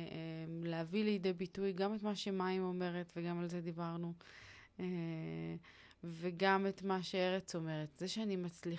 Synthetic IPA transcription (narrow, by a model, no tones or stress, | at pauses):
eleavilejdebitujɡametmaʃe̞maimo̞me̞ʁetveɡamalzed̪ibaʁnu | e | veɡametmaʃeeʁet͡so̞me̞ʁetzeʃeanimat͡sli